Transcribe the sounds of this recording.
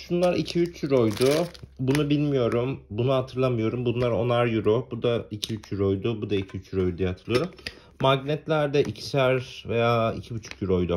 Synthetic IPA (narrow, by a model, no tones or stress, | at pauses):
ʃunlˠaɾicʰiyt͡ʃjyɾo̞jd̪ubunubilʲmijo̞ɾumbunuhat̪ʰɯɾlˠamɯjo̞ɾumbunlˠaɾo̞naɾjuɾobud̪aicʰiyt͡ʃjyɾo̞jd̪ʊbud̪aicʰiyt͡ʃjyɾojd̪ud̪ijɛhat̪ʰɯɾlˠɯjoɾumː | aɟnɛt̪lʲæɾd̪ɛʔicʰi̥sæɾve̞jaːḭcʰibyt͡ʃʰy̥kjuɾo̞jd̪u